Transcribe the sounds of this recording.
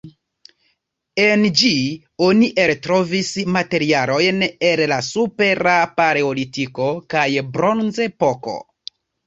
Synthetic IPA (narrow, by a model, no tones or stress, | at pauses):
e̞nd͡ʒi | o̞niʔeltɾo̞vismate̞ɾialo̞jnellasupe̞ɾapaɾeolitiko̞kajbɾo̞nzepo̞ko̞̰